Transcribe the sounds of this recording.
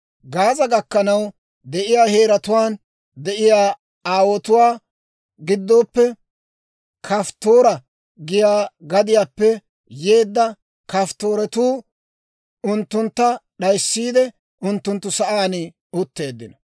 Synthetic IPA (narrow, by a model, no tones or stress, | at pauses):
ɡaːzɐɡɐkːɐnɐw | d̪ɛʔɪjaːhe̞ːɾɐt̪ʊwaːn | d̪ɛʔɪjaː | aːwɔt̪ʊwaː | ɡɪd̪ːo̞ːpːɛ | kʰɐft̪o̞ːɾɐ | ɡɪjaːɡɐd̪ɪjaːpːɛ | je̞ːd̪ːɐ | kɐft̪o̞ːɾɛt̪uː | ʊnt̪ːʊnt̪ːɐɗɐjsːiːd̪ɛ | ʊnt̪ːʊnt̪ːʊsɐʔaːnɪ | ʊt̪ːe̞ːd̪ːɪnɐ